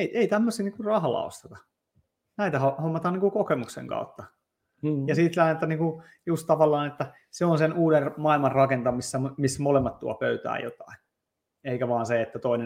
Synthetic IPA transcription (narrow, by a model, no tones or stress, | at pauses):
eiʔeit̪æmːøsiːniːŋkurrɑhɑlːɑ̰o̰st̪et̪ɑ | næit̪æhohomːɑt̪ɑniːŋkukokemuksḛŋkɑ̰ut̪ːɑ | jɑsiːt̪lænːet̪ːɑniːŋku | just̪t̪ɑʋɑlːɑːnet̪ːæ | seonsenuːdermɑilmɑrrɑkent̪ɑmisːæmmismolemːɑt̪t̪uɑ̰pøyt̪æ̰ːjo̰t̪ɑ̥in | eikæʋɑːnseet̪ːæt̪oine